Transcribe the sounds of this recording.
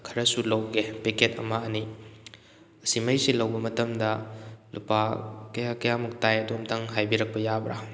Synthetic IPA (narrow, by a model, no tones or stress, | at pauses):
kʰɐɾɐsulɐwɡepeketɐ̰mɐɐni | ɐsimɐjsilɐwbɐmɐtɐmdɐlupakɐjakɐjamuk̚tajɐdumtʰɐŋɦajbiɾɐk̚pɐjabɾa̰